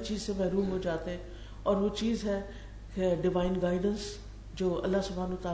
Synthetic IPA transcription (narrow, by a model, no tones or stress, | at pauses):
t͡ʃiːzsemɛɦɾuːmɦod͡ʒaːt̪eɦɛ̃ː | ɔːɾʋot͡ʃiːzɦɛ | keɖɪʋaːɪnɡaːɪɖəns | d͡ʒoːɐ̰lːaɦsʊbʱaːnət̪aː